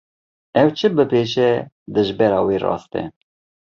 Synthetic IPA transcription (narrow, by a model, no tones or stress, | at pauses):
ɛwt͡ʃʰɨbɨpeʃɛ | d̪ɨʒbɛɾɑːweːrɑ̰ːst̪ɛ̰